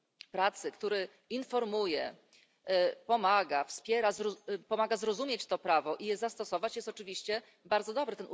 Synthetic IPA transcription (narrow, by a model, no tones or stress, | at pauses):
pɾat̪sɘkt̪uɾɛ | infɔɾmujɛ | pɔmaɡafspʲjɛɾazpɔmaɡazɾɔzumʲjet͡ɕt̪ɔpɾavɔʔijɛzast̪ɔsɔvat͡ɕjɛst̪ɔt͡ʂɘvʲiɕt͡ɕɛ | baɾd̪zɔd̪ɔbɾɘt̪ɛnu